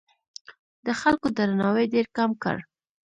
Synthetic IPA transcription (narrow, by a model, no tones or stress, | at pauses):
d̪̥əxalkod̪aɾanɑwəjɖeɾkamkə̰ɽ